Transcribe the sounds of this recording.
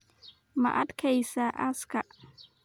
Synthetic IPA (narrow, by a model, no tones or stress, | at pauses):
mɐ̰ʔɐd̪kʰɛjsɐʔɐskʰɐ